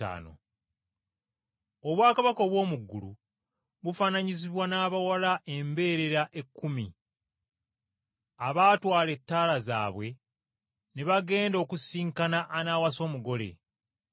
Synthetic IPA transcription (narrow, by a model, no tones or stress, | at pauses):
a̰ːno̰ | oβwaːkaβako̞βwo̞ːmuɡːulṵ | βufanaɲiziβwanaːβawalaʔe̞mbe̞ːɾe̞ɾaʔe̞kːumi | aβaːtwaːle̞tːaːlaza̰ːβwe̞ | neβaɡe̞ːndo̞ːkusiːŋkanaʔːnaːwaso̞ːmuɡo̞le̞̰